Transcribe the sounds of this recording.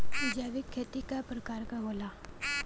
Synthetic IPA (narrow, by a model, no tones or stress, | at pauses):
ɪd͡ʒaːʋɪkʰːeːt̪ikapɾəkaːɾkaɦoːlaː